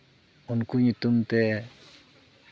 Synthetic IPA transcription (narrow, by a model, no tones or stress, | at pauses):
unkuɲut̪umt̪e